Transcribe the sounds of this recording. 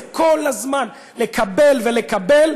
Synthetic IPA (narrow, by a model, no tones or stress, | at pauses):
kolazman | le̞kabe̞lvele̞kabel